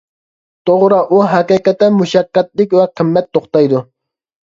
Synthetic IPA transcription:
t̪ʰoʁɾɑʔuɦɛqiqɛt̪ːɛmuʃɑqːɛt̪̚lɪkʲwɛqʰəmːɛt̪ʰːoχt̪ɑjd̪u

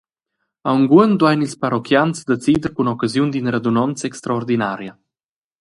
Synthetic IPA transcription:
awŋɡuənd̪wajnilspaɾɔkjansd̪et͡sid̪əɾkunɔkazjund̪inɾad̪unɔnt͡sɛkst̪ɾaɔɾd̪inaɾja

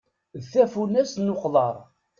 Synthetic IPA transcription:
ðθæfunæsnoqləɾˤ

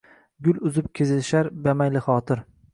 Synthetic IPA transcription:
ɡʲʊlʊzɪp̚kʲʰezɪlʃaɾbamajlɪχɒːt̪ʰɪɾ

